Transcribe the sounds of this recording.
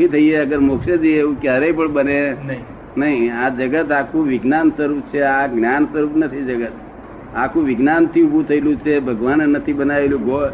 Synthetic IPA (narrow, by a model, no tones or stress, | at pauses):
it̪ʰəieəɡəɾmokʃed͡ʒieũkjaɾəipəɳbəne | nəɦiad͡ʒəɡət̪akʰũʋɪɡnansəɾup̚t͡ʃʰeaɡnjansəɾupnət̪ʰid͡ʒəɡət̪ | akʰũʋɪɡnant̪ʰiubʱũt̪ʰəelũt͡ʃʰebʱəɡʋannət̪ʰibənaʋeljũɡo